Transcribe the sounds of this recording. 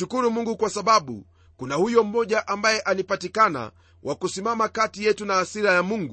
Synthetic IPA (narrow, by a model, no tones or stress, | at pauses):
ukuɾumuŋɡukwasaɓaɓṵ | kunahujɔm̩ːɔʄaʔambajɛʔalipatikana̰ | wʔakusimamakatijɛtunaːsiɾajamuŋɡu